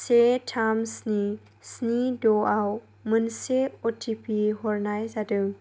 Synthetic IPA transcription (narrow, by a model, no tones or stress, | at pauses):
setʰamsni | snidɔʔaw | mɨnseɔtʰipiɦɔrnajzadɯŋ